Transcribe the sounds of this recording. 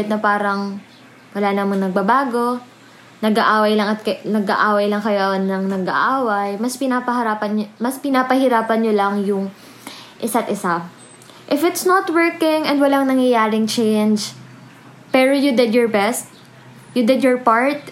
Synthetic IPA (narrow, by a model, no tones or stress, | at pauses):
ɪt̪̚nɐpaːɾɐŋ | wɐlaːnɐmɐŋnɐɡ̚bɐbaːɡo̞ | nɐɡaʔaːwɐjlɐŋɐt̪̚kɐnɐɡa̰ʔaːwɐjlɐŋkɐjonɐŋnɐɡɐʔaːwɐjmɐspɪnaːpɐɦɐɾaːpɐnmɐspɪnapɐhɪɾaːpɐnɲolɐŋjʊŋ | ʔɪsat̪ʔɪsa | ʔɪfɪt̪snot̪wɛɹkɪŋɛnd̪wɐlaŋnɐŋjɐjaːɾɪŋt͡ʃɛjnd͡ʒ | pɛːɹojud̪ɪd̪jɔɹbɛst̪̚ | jud̪ɪd̪jɔɹpaɹt̪̚